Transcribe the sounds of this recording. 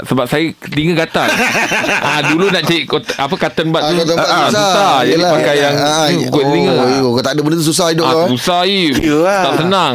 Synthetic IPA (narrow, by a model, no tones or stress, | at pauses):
səbap̚sajəliŋə̃ɡat̪a | ʔãdulunaʔt͡ʃaiʔkot̪apəkat̪ənbat̪t̪əsauad͡ʒapakajaŋikoliŋə̃okot̪aʔdəbəndət̪us̬us̬ahidʊasusait̪asənãŋ